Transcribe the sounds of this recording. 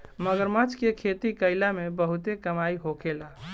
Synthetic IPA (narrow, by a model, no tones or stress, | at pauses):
məɡəɾmat͡ʃkekʰet̪ikəɪlamebəɦut̪ekəmaiɦokʰela